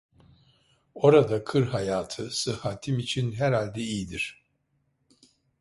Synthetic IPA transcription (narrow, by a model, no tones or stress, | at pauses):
o̞ɾad̪akʰɯɾɦajaːt̪ʰɯsɯhaːt̪ʰimit͡ʃʰinɦɛɾalʲd̪ɛijd̪iɾ̥